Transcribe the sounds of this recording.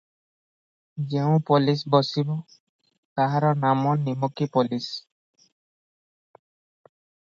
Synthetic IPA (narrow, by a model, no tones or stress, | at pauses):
d͡ʒeũpɔlis̬bɔsibɔ | t̪aɦaɾɔnamɔnimɔkipɔlis